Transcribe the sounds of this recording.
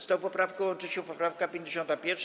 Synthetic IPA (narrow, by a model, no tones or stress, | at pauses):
st̪ɔ̃wpɔpɾafkɛwɔnt͡ʂɨt͡ɕɛpɔpɾafkapʲjeɲd͡ʑeɕɔ̃nt̪apʲjɛɾfʂ